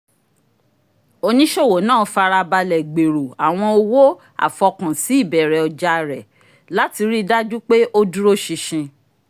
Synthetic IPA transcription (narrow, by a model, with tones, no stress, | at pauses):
o˧nĩ˦ʃo˦˨wo˨˦nãː˦˨fa˧ɾa˧ba˧lɛ˨ɡ͡be˨ɾo˨a˨w̃ɔ̃˧o˧wo˦ | a̰˨fɔ˧kã˨si˨˦i˦˨bɛ˨ɾɛ˨ɔ˨d͡ʒa˧˨ɾɛ˨ | la˨˦ti˧ɾi˦da˦d͡ʒu˦k͡pe˦ʔo˦du˦ɾo˦ʃi˧ʃĩ˧